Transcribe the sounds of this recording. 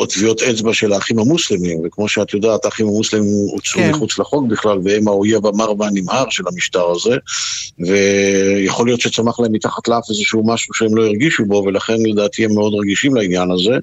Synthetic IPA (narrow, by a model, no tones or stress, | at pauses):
ʔot̪vio̞t̪et͡sbaʃe̞laːχimhamuslemimvekmo̞ʃeat̪jo̞d̪aːtaaχimhamuslemimut͡sʁumiχut͡slaχo̞kbiχlalveemaojavamaʁmanimhaʁʃe̞lhamiʃtaʁaze̞ve̞jaχo̞lijo̞t̪ʃet͡samaχlaemːit̪aχat̪leafezeʃuumaʃuʃeemlo̞iʁɡiʃubo̞ve̞laχe̞nle̞d̪aːt̪ʰiemːeo̞d̪ʁeɡiʃimlainjanaze̞